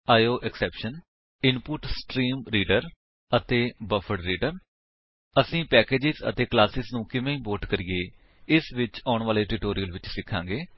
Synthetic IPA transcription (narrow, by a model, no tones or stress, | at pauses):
aːjoːʔɛksɛːpʃən | ɪnpʊʈsʈɾiːmɾiːɖəɾ | ət̪eːbəfʰəɽɾiːɖəɾ | əsĩːpɛːkeːd͡ʒɪzə̰t̪eːklaːsɪznũːkɪmẽːĩːboːʈkəɾiːeː | ɪsʋɪt͡ʃaːʊɳʋaːleːʈɾiːʈoːɾijəlʋɪt͡ʃsɪkʰːãːŋɡeː